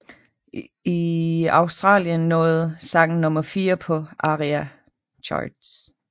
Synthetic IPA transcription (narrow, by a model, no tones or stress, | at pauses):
iɑ̈ʊsd̥ʁɑ̰̈ːljənːɔ̽ːð̩ˠsɑ̈ŋ̰n̩nɔ̽mɐfiːɐpʰɒ̽ʔɑʁiæ | t͡ɕʰɒ̰d̥s